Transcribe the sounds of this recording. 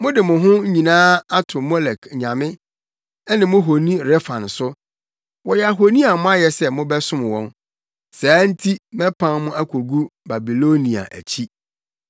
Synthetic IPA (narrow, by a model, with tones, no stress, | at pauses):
mʊ̃˦dɪ˨mʊ̃˨ɦʊ̃˦ɲĩ˨nãː˦a˦tʰʊ˨mɔ˦lɛ˨kʰɲã˨mɪ̃˦ | ɛ˦nɪ̃˨mʊ̃˦ɦo˨nĩ˦ɾɛ˦fã˨n˨sʊ˦ | wɔ˨jɛ˦a˨ɦo˨nĩ˦a˨mʊ̃˦a˦jɛ˨sɛ˦˨mʊ̃˦bɛ˦sʊ̃˦m˨wɔ̰̃˦n | saː˨˦n̩˦tʰi˦mɛ̃˦pʰã˦nmʊ̃˦a˦kʰo˨ɡu˦ba˨bi˨lo˦nĩ˨a̰˨ʔæ̰˨t͡ɕʰi˦